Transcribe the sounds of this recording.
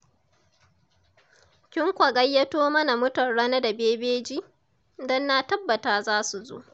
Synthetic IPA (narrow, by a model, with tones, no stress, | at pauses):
kʲɪ˦ŋkʷɐ˨ɡɐ˦jːɐ˦toː˦mɐ˦na˨mʊ˦tɐ˨nɽɐ˦na˦da˨beː˦beː˦d͡ʒiː˦ | dɔ˦nːa˦tɐ˦bːɐ˨taː˨zaː˦su˨zo̰˦ʔ